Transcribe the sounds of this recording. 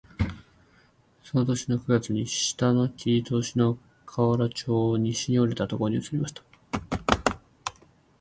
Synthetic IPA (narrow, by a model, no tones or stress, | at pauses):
so̞no̞t̪o̞ɕino̞kɯ̟ɡat͡sɨɲ̟iɕi̥t̪ano̞kʲʰit̪o̞ːɕino̞ | kʰaβaɾat͡ɕo̞ːɲ̟iɕiɲioɾe̞t̪at̪o̞kooɲ̟iɯ̟t͡sɨ̥ɾʲimaɕi̥t̪ḁ